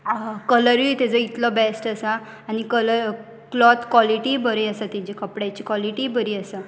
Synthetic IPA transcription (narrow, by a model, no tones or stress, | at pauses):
kələɾjut̪ed͡zəit̪lɔbesʈəsaː | ñikələ | klɔt̪kwɔliʈibəɾeasat̪ĩd͡ʑikəpɽat͡ɕikwɔliʈibəɾiːəsa